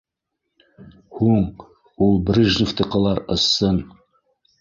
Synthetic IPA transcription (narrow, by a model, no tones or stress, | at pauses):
huɴ | ulˠbɾiʒnʲift̪ɤ̆qɑlˠɑɾɤ̆sːɤn